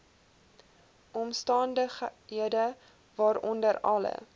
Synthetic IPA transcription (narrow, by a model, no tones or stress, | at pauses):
ʔɔmstɑːndəχɦiədə | vɑːɾɔndəɾɐ̰lə̰